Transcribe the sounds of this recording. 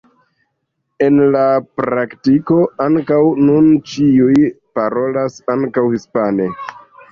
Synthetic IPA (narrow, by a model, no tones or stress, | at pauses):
e̞nlapɾaktiko̞aŋkawnunt͡ʃiuj | paɾo̞lasaŋkawhispane